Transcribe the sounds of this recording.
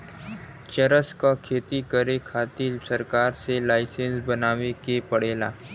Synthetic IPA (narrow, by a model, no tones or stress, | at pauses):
t͡ʃəɾəskakʰeːt̪ikəɾekʰaːt̪ilsɐɾkaːɾselaːɪsẽnsbɐnaːʋekepəɽeːlaː